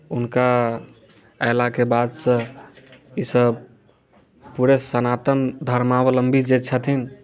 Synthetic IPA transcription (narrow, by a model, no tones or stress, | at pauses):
unka | əjlakebad̪sə̃ | isəb | puɾesənat̪ənd̪ʱəɾmawələmbʱid͡ʒet͡ʃʰət̪ʰin